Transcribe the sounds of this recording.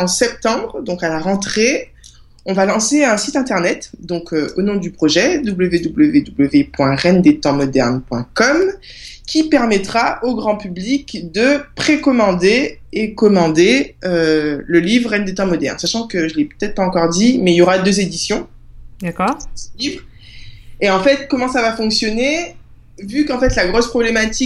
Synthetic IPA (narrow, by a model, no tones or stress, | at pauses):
ɑ̃sɛp̚t̪ɑ̃bʁd̪ɔ̃kalaʁɑ̃t̪χe | ɔ̃valɑ̃seɛ̃sit̪ɛ̃t̪ɛʁnɛt̪d̪ɔ̃kʰøonɔ̃d̪ypχɔʒɛd̪ubləved̪ubləved̪ubləvepwɛ̃ʁɛnd̪et̪ɑ̃mɔd̪ɛʁnpwɛ̃kɔm | kʲʰipɛʁmɛt̪χaʔoɡʁɑ̃pyblikd̪əpχekɔmɑ̃d̪eekɔmɑ̃d̪eøləlivʁʁɛnd̪et̪ɑ̃mɔd̪ɛʁnsaʃɑ̃kəʒəlɛpø̥t̪ɛt̪χpaɑ̃kɔʁd̪imɛiljoʁad̪øzed̪isjɔ̃ | d̪aksəlivʁ | eɑ̃fɛt̪kɔmɑ̃savafɔ̃ksjɔne | vykɑ̃fɛt̪laɡʁɔspχɔblemat̪i